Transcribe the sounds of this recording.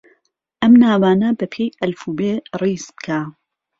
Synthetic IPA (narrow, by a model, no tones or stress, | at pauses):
ʔɐmnaːwaːnɐbɐpʰejɐlfuːbeːriːsbɨ̥kʰaː